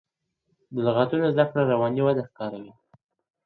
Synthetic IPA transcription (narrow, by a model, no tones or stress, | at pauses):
d̪əlɣat̪unozd̪akɽaɾawɑniwad̪axkɑɾawi